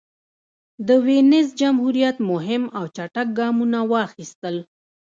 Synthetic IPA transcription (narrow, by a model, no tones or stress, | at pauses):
d̪əwenɪzd͡ʒamhuɾijat̪mʊɦɪmawt͡ʃaʈak̚ɡɑmunawɑxist̪əl